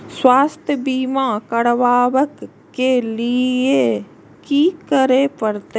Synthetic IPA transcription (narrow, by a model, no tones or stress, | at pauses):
swaːst̪ʰjəbiːmãːkəɽʋaːʋəkː | elɪe | kiːkəɾeːpəɾt̪e